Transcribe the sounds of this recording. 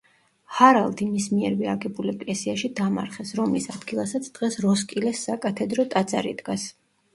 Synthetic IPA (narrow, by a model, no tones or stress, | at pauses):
haɾalˠd̪imismiɛɾviaɡɛbulɛkʼlɛsiaʃid̪ama̰ɾχɛsɾɔmlisad̪ɡilˠasat̪sʰd̪̥ʁɛsɾɔskʼilɛsːakʼat̪ʰɛd̪ɾɔt̪ʼad̪za̰ɾḭd̪ɡas